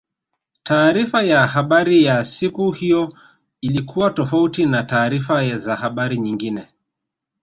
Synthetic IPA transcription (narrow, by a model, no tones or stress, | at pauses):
taːɾifajahaɓaɾijasikuhijɔ | ilikʰuwatɔfautinataːɾifazahaɓaɾiɲiŋɡinɛ